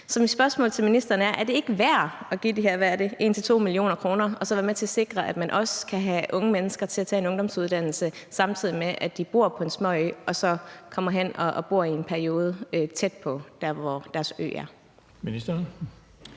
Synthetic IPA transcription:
sɒ̽mid̥sb̥ɶɐsmɔ̰ːlt͡sʰe̝lminisd̥ɐːnəæɐʔæɐd̥e̝e̝ɡ̥əʋæɐ̰ɒ̽ɡ̥ḭd̥iɦeɐʋæɐd̥eʔe̝ːnt͡sʰe̝t͡sʰo̝̰ːmilio̝̰ːnɐkʰʁo̝ːnɐɒ̽sɒ̽ʋæːɐmet͡sʰe̝æse̝ɡ̥ʁɐʔæd̥mænʔɒ̽skʰæɦæʔɔ̽ŋəmenəsɡ̥ɐt͡sʰe̝læt͡sʰɛ̰ːe̝nɔ̽ŋd̥ɒ̽msuð̞ˠd̥æn̰l̩səsɑ̈mt͡sʰið̰ˠimeʔædd̥ib̥o̝ɐpʰɒ̽e̝nsmɒ̽ɒ̽sɒ̽kʰɒ̽m̰ɐɦen̰ɒ̽b̥o̝ɐ̰ie̝npʰæɐio̝ːð̞ˠəøt͡sʰed̥pʰɒ̽d̥æɐ̰ʋɒd̥æɐsø̰ːæɐ | minisd̥ɐn

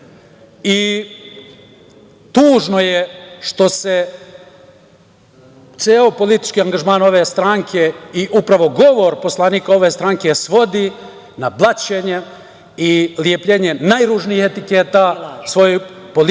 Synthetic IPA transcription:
i | t̪uːʒno̞jeʃt̪o̞se | t̪seːopo̞lit̪i̥t͡ʃkiːaŋɡaʒmaːno̞ʋe̞ːst̪ɾaŋkʰe̞iʔupɾaʋo̞ɡo̞ʋo̞ɾpo̞slˠaniːkao̞ʋe̞ːst̪ɾaŋke̞sʋo̞d̪i | nablˠat͡ʃeɲe | iljepʎeːɲenajɾuːʒniːhet̪ikeːt̪aːsʋo̞jopol

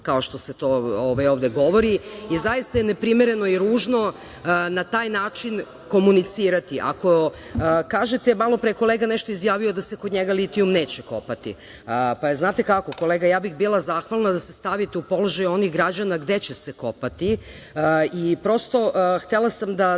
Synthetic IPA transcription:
kaoʃt̪o̞set̪ooʋajoːʋd̪eɡo̞ʋoɾiizajist̪aje̞ne̞pɾimeɾe̞no̞iɾuːʒno̞ | nat̪aːjnaːt͡ʃin | ko̞munit̪siːɾat̪iʔa̰ko̞ | kaːʒet̪emalˠo̞pɾeko̞leɡanɛʃt̪oizjaːʋijod̪asekod̪ɲeɡalit̪iumneːt͡ɕeko̞̰pat̪ḭ | paznaːt̪e̞kako̞ko̞leːɡajaːbixbilˠazaːxʋalˠnad̪asest̪aʋit̪eupoloʒajo̞nixɡɾad͡ʑanaɡd̪et͡ɕeseko̞pat̪i | ipɾo̞st̪o̞xt̪elˠasamd̪a

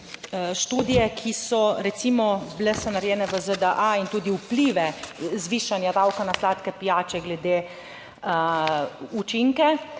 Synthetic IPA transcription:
ʃt̪uːd̪ijɛkʰisɔɾɛt̪simɔblɛsɔnaɾjɛːnɛʋəzəd̪əʔaint̪uːd̪iupliʋɛzʋiːʃanjad̪awkanaslaːt̪kɛpijaːt͡ʃɛɡlɛd̪eː | ut͡ʃiŋkɛ

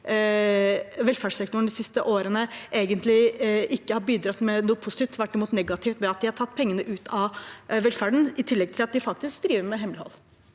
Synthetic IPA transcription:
ʋɛlfæʂsɛkt̪ʊɳ̩d̪ɪsɪst̪əʔoːɾənəʔeːɡənt̪lɪʔɪkːəhɑɾbiːd̪ɾɑt̪ːmɛnuːəpʰʊsɪt̪iːft̪ʰʋæʈːɪmuːt̪nɛɡɑt̪ʰɪːft̪mɛɑt̪̚d̪ɪhɑʈʰɑt̪ːpʰɛŋːənəʔʉːt̪ʰɑʋɛlfæɖɳ̩ɪt̪ʰɪlːɛɡ̚t̪ɪlɑt̪̚d̪ɪfɑk̚t̪ɪsksd̪ɾiːʋəɾmɛɦɛmlɪhɔ̰lː

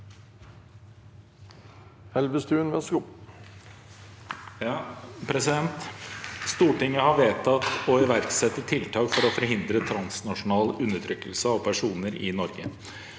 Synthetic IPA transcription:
hɛlʋəst̪ʉːnʋɛskʊ | pʰɾɛsɪd̪ɛnt̪st̪uːʈɪŋːəhɑʋeːt̪ʰɑt̪ɔɪʋæɾɡsɛt̪ːət̪ʰːɪlt̪ʰɑːkfɔɾɔfɔɾɦɪnd̪ɾət̪ʰɾɑnsnɑʂʊnɑːlʉnːəʈʰɾʏkːəlsəɑʋpʰæʂuːnəɾɪnɔɾɡə

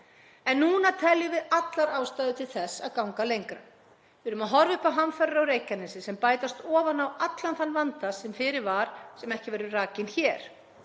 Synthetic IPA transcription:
ɛnːuːnat̪ʰɛljʏvɪðat̪laɾaːwst̪ajðʏt̪ʰɪlθɛsːa̰ðkawŋkalejŋkɾa̰ | vɪɾʏmaðɦɔɾvʏhpawɦanfœɾɾawɾeːjcanɪnsɪsɛmpaːjt̪ast̪ɔːvanawat̪lanθanːvant̪asɛmfɪɾɪɾvaɾ̥sɛmɛhcɪvɛɾʏraːcɪnçɛːɾ̥

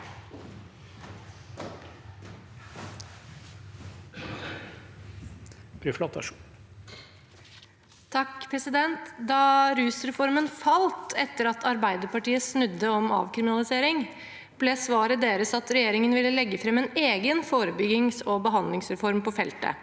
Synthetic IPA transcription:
pɾʉflɔt̪ː | t̪ʰɑkpʰɾɛsɪd̪ɛnt̪d̪ɑːɾʉːsɾɛfɔɾmənfɑlt̪ʰɛt̪ːəɾɑt̪ʰɑɾbæɪd̪əpɑʈiːəsnʉd̪ːəɔmɑ̰ːʋkʰɾɪmɪnɑlɪseːɾɪŋ | b̥leːsʋɑːɾəd̪eːɾəsɑt̪ɾɛjeːɾɪŋənʋɪlːəlɛɡːəfɾɛmɛːneːɡənfoːɾəbʏɡɪŋsɔbəɦɑnd̪lɪŋsɾɛfɔɾmpɔfɛlt̪ə̰

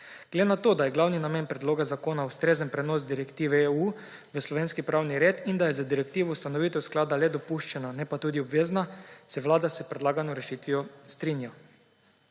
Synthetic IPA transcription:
ɡ̥led̪enat̪oːd̪ajɛɡlawninameːnpɾɛd̪loːɡazakoːnaust̪ɾeːzənpɾɛnoːsd̪iɾɛkt̪iːʋɛeu | ʋəslɔʋeːnskipɾawniɾeːt̪ind̪ajɛzad̪iɾɛkt̪iːʋɔust̪anɔʋiːt̪ɛwsklaːd̪alɛd̪ɔpuʃt͡ʃɛnanɛpat̪uːd̪iɔbʋeːznasɛʋlaːd̪asɛpɾɛd̪laːɡanɔɾɛʃit̪ʋijɔst̪ɾinja

